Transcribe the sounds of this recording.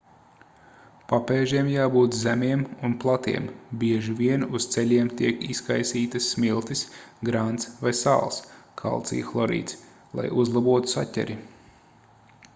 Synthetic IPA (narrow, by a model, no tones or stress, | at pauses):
papeɛːʒiɛmjaːbuːt̪zæmʲiɛmunplˠat̪ḭɛmbʲiɛʒivʲiɛnust̪sɛlʲiɛmt̪iɛkiskajsiːt̪ɐsːmilˠt̪isɡɾant̪svajsa̰ːlˠskʰa̰lˠt̪sḭːflˠɔɾḭːt̪s | lˠa̰juzlˠabuɔt̪u̥satʲɛ̰ɾi